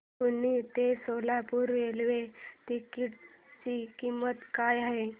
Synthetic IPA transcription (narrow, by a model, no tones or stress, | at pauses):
unit̪esolapuɾʋelʋet̪ikiʈ | t͡ɕikimət̪kajaɦe